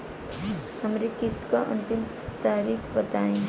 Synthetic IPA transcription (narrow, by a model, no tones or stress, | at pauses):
həmɾekɪst̪kaʔə̰nt̪ɪm | t̪aːɾiːkʰbət̪aːẽ